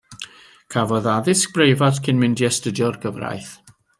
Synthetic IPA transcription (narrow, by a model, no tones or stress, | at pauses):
kʰavɔðaðɪsk̚b̥rejvadkʰɪnmɪndjɛstədɔrɡəvra̰jθ